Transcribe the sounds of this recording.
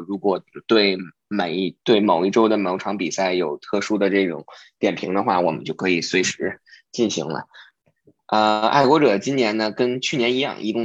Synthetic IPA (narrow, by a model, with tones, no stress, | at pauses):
ɻu˧˥kwɔ˨˩t̪we˥˩ɪ | ma˨˩ɪ˥˩t̪we˥˩ɪmo˨˩ʊi˥˩ʈ͡ʂo˥ʊd̪ə˨mɑ˧˥ʈ͡ʂʰɑ˧˥ŋpi˨˩sa˥˩ɪjo˨˩ʊt̪ʰɤ˥˩ʂu˥d̪ə˨ʈ͡ʂɤ˥˩ʈ͡ʂʊ̰˨˩˦ŋt̪jɛ˨˩npʰi˧˥ŋd̪ə˧xwa̰˥˩wɔ˨˩mə̰˦nt͡ɕjo˥˩ʊkʰɤ˧˥i˨˩swe˧˥ɪʂɻ̩˧˥t͡ɕi˥˩nɕḭ˧˥ŋlə̰˧ | ə˧a̰˥˩ɪkwɔ˧˥ʈ͡ʂɤ˨˩t͡ɕi˥njɛ˧˥nnə˧kə˥nt͡ɕʰy˥˩njɛ˧˥ni˧˥jɑ̰˥˧˩ŋʔḭ˧˥t̪ʊ˥˧